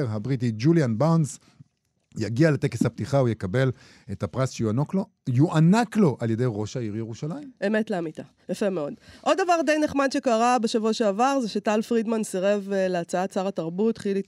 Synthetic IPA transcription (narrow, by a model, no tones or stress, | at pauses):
ʁɦabʁitid͡ʒuljanbawnz | jaɡialete̞keshap̚tiχaujekabe̞l | etapʁasʃejuanoklo̞ | juʔanaklo̞ʔaljede̞jʁo̞ʃaiʁjeʁuʃalaime̞me̞tleamita | jafemeo̞dʔo̞ddavaʁd̪ejneχmadʃe̞kaʁabeʃavuaʃeavaʁzeʃetalfʁidmansiʁe̞vleat͡saat͡saʁataʁbutχili